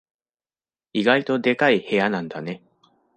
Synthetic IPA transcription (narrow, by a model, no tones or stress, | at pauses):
iɡait̪o̞d̪e̞kaihe̞janãnd̪ane̞